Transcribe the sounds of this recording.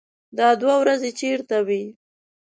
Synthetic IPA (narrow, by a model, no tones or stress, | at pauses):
d̪ɑd̪wawɾazet͡ʃeɾt̪awi